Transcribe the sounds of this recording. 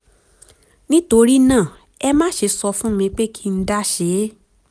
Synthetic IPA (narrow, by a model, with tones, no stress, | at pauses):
nĩ˦to˧ɾi˦nãː˦˨ | ɛ˦mã˦˨ʃe˧sɔ˧fũ˦mĩ˧k͡pe˦kʰi˦n̩˦da˦ʃe˨˦